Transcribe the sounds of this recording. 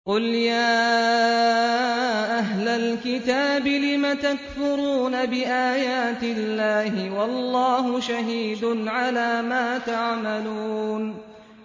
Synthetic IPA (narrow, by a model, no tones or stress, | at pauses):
qʊljaː | ʔaɦlalkɪt̪aːbɪlɪmat̪akθʊɾuːnabɪʔaːjaːt̪ɪlːaːɦɪwɑlˤːɑːɦʊʃaɦiːd̪ʊnʕalaːmaːt̪aʕmaluːn